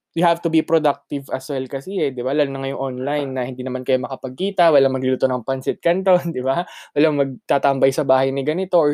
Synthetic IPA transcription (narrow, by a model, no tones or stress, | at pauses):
jɪhavt̪ʊbipɾod̪ak̚t̪ɪvʔɐswɛlkɐsɛɛd̪ɪbalaːlʊnɐŋɐjoŋʔonlajnːɐhɪnd̪iːnɐmankɐjomɐkɐpɐɡ̚kiːt̪ɐwɐlaŋmɐɡlɪlut̪onɐŋpɐnsɪt̪̚kɐnt̪ond̪ɪbawɐlaŋmɐɡ̚t̪aːt̪ɐmbɐjsɐbaːhɐjnɪɡɐnɪt̪o̞ʔ